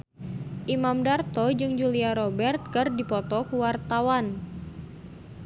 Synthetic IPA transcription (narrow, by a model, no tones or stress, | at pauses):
ʔimamdart̪ɔd͡ʒɨŋd͡ʒuliaɾɔbɛrt̪̚kərdipɔt̪ɔkuwart̪awan